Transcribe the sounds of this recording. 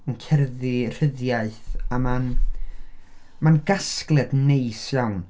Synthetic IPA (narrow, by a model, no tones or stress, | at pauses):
ənkʰɛrðɪr̥əðjaɨθaman | manɡ̥asklˠɛdnejsjawn